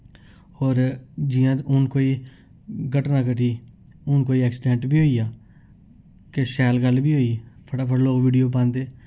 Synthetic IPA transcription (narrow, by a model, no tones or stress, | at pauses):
ɔːɾd͡ʒɪjãːʊnkoːiː | ɡəʈnãːkəʈiː | ʊnkoːiːɛːksɪɖẽːɳʈbiːɦoːiːaː | keʃɛːlɡəlbiːɦoːiːpʰəʈaːpʰəɽloːkʋiːɖijoːp̬ãːnd̪eː